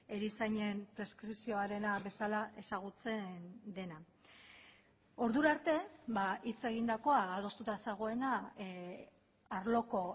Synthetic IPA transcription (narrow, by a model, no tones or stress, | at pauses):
e̞ɾisaɲe̞mpɾe̞skɾipsio̞aɾe̞naβe̞salaʔe̞saɣ̞ut͡se̞nd̪e̞na | o̞ɾðuɾaɾt̪e̞baʔit͡se̞ɣ̞ind̪ako̞aːð̞o̞st̪ut̪aseɣ̞o̞e̞na | aɾlo̞ko̞